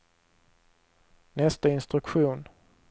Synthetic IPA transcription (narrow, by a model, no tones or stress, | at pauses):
nɛst̪aɪnst̪ɾɵkɧuːn